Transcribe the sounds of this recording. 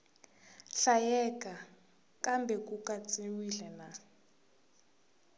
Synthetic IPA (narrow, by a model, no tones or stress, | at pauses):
ɬajɛkʼa | kʼambʱɛkʼukʼat͡sʼiwiɮɛna